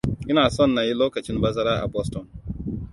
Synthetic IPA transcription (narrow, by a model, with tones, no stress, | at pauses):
ʔɪ˦naː˨sɔ˦˨nːa˨ji˦loː˦kɐ˨t͡ʃɪ˦nbɐ˦zɐ˦ɾaː˦ʔa̰˨bɔ˦stɔ˨n